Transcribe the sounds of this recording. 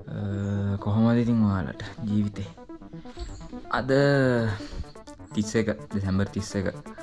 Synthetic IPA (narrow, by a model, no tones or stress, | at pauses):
əkoɦomad̪it̪iŋʋaːla̰ʈəd͡ʒiːʋit̪eː | ɐ̰d̪ə | t̪isekədisembəɾt̪isekə